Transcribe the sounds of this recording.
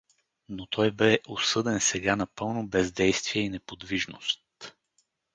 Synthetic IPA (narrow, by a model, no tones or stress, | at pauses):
not̪ʰɔjbɛʔosɤd̪ɛnsɛɡanɐpɤlˠnobɛzd̪ɛjst̪viɛinɛpod̪viʒnost̪